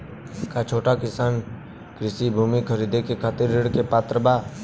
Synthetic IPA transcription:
kat͡ʃʰoːʈakɪsaːn | kɾɪsibʱuːmikʰəɾiːd̪ʱekekʰaːt̪ɪɾːɪɽkepaːt̪ɾəbaː

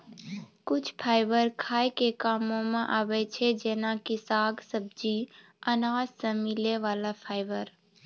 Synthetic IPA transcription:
kʊt͡ʃʰpʰaːɪbəɾkʰaːjkekaːmõmẽʔaːʋɛt͡ʃʰed͡ʒɛːnakisaːɡsəb̚d͡ʒi | ənaːd͡ʒsẽmɪleʋaːlapʰaːɪbəɾ

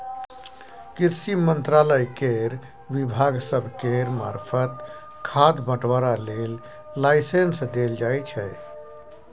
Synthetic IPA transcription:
kiɾsimənt̪ɾaləjkeɾ | ʋibʱaɡsəbʱkeɾmaːɾpʰət̪ | kʰad̪bəʈʋaɾalelː | aɪsensd̪eld͡ʒajt͡ʃʰɛ

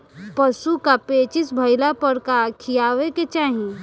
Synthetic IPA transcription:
pəsukapeːt͡ʃɪsbʱəjlapəɾkakʰijaːʋeket͡ʃaːɦĩ

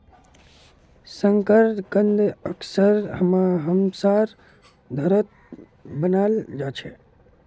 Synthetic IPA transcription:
sə̃ŋkəɾkə̃nd̪əksəɾɦəmaɦəmsaɾ | d̪ʱəɾət̪̚ | bənald͡ʒat͡ʃʰe

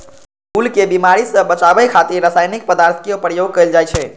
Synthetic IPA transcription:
kulkebimaɾisəbət͡ʃabəjkʰat̪iɾɾːəsaːjnik̚pəd̪aɾt̪ʰkijopɾjoɡ̚kəjld͡ʒajt͡ʃʰɛ

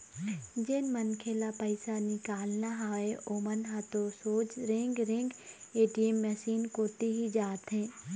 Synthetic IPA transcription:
d͡ʒeːnmɐnkʰelapəɪsanɪkaːlnaɦaːeʔoːmənɦat̪osoːd͡ʒɾẽŋɡɾɪ̃ŋɡeːʈiemːəsiːnkoːt̪iɦid͡ʒaːt̪ɦẽː

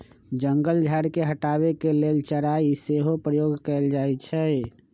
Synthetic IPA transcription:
d͡ʒəŋɡəld͡ʒʱaɾkeɦəʈaβekelelt͡ʃəɾaiseɦopɾəjoɡkɛeld͡ʒaɛt͡ʃʰɛ

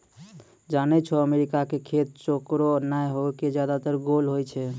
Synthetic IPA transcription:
d͡ʒanɛt͡ʃʰɔəmeɾikakekʰet̪̚t͡ʃokɾonajɦoked͡ʒjad̪at̪əɾɡolɦojt͡ʃʰɛ

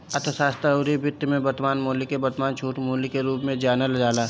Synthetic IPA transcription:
ɐt̪ʰəsaːst̪oɾibɪt̪jmẽbɐɾt̪maːnmoːlikebɐɾt̪əmaːnt͡ʃʰuːʈmoːlikeɾuːpmẽd͡ʒaːnəld͡ʒaːlaː

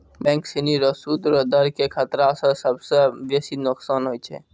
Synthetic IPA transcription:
bɛ̃ŋksiniɾosuːd̪ɾod̪əɾkekʰət̪ɾasəsəbseʋesinʊksaːnɦoːit͡ʃʰḛː

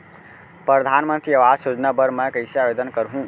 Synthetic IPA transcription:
pɾəd̪ʱanmə̃nt̪ɾiəʋad͡ʒsud͡ʒnabəɾmə̃kəɪsjaʋed̪ənkəɾɦũ

